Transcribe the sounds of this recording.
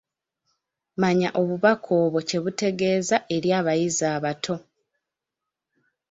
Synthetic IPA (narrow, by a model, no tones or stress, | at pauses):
maɲaʔo̞βuβakʰo̞ːβo̞ce̞βute̞ɡe̞ːzaʔe̞ɾjaːβajizaːβatʰo̞